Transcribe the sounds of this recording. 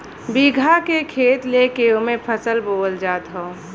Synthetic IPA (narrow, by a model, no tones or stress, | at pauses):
biɡʱakekʰeːt̪leːkeomẽpʰəsəlboːld͡ʒaːt̪ɦõː